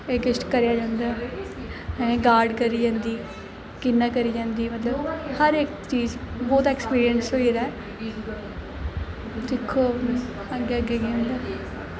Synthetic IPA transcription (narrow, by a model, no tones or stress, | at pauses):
eːɡɪsʈkəɾjaːd͡ʒãːnd̪aɛ | mɛ̃ɡaːɾɖkəɾiːd͡ʒãːnd̪iː | kɪnːãːkəɾiːd͡ʒãːnd̪iːmət̪ləbhəɾɪkt͡ʃiːzbɔːt̪ɛːkspiːɾiənsɦoːiːɾaːɛ | d̪ɪkʰːoː | əɡeːəɡeːɡeõːnd̪aː